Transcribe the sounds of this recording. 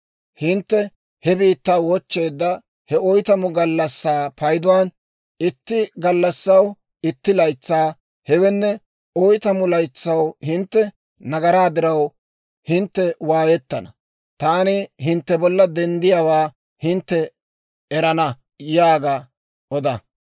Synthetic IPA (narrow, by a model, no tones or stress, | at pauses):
hɪnt̪ːɛ | hɛbiːt̪ːaːwɔt͡ʃːe̞ːd̪ːɐ | hɛɔjt̪ɐmʊɡɐlːɐsːaːpɐjd̪ʊwaːn | ɪt̪ːɪɡɐlːɐsːɐw | ɪt̪ːɪlɐjt͡sːaː | hɛwɛnːɛ | ɔjt̪ɐmʊlɐjt͡sːɐwhɪnt̪ːɛ | nɐɡɐɾaːd̪ɪɾɐw | hɪnt̪ːɛwaːjɛt̪ːɐnɐ | t̪aːnɪɦɪnt̪ːɛbɔlːɐd̪ɛnd̪ɪjaːwaː | hɪnt̪ːɛ | ɛɾɐnɐ | jaːɡɐ | ʔɔd̪ɐ